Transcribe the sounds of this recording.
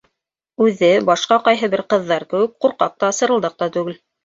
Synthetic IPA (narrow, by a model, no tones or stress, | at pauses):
ʉðɘbɑʃqɑqɑjɦɤβɘɾqɤ̆ðːɑɾkɘ̆wɘk̚quɾqɑ̰q̚t̪ɑːsɤ̆ɾɤ̆lˠd̪ɑq̚t̪ɑt̪ʉɡɘl